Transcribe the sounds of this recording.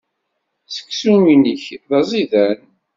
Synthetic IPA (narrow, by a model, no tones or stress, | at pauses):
sə̥kːsuminəçðɑzˤiðæn